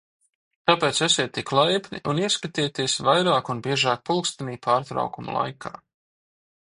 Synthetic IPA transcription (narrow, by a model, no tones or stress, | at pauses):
t̪apeːt̪sɛsʲiɛt̪iklˠajpʲniʔuniɛskat̪iːt̪iɛsvajɾaːkunbiɛʒaːk̚pulˠkst̪aniːpʰaːɾt̪ɾa̰wkumṵlˠa̰jkʰa̰ː